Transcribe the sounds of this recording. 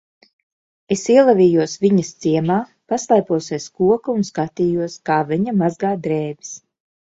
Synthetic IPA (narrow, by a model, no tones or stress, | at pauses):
esiɛlˠavʲiːjuɔsvʲiɲɐst̪siɛmaː | paslˠajpuɔseɛskuɔkaunskat̪iːjuɔskaːviɲɐmazɡaːd̪ɾɛːbʲi̥s